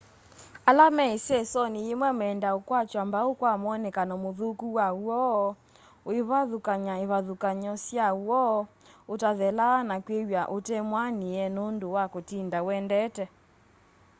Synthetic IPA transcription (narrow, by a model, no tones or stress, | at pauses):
alamɛesɛsɔnijemwɛmɛndaokwat͡ʃwambaokwamɔnɛkanɔmoðukuwauɔː | oeβaðukaɲaeβaðukaɲɔsjawɔː | otaðɛlaːnakwejaʔotɛmwaniɛnondowakotindawɛndɛtɛ